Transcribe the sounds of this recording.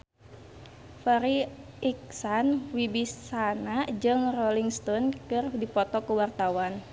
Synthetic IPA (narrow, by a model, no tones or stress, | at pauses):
fɛɾi | iksanwibisanad͡ʒɨŋrɔliŋst̪ɔnkɨrdipɔt̪ɔkəwart̪awan